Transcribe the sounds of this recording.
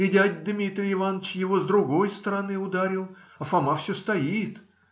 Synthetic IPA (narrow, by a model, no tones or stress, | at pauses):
ɪdʲædʲd̪mʲit̪ɾʲɪɪvanət͡ɕjɪvozd̪ɾʊɡo̞jst̪əɾɐnɨʊd̪aɾʲɪlˠɐfɐmafsʲɵst̪ɐjit̪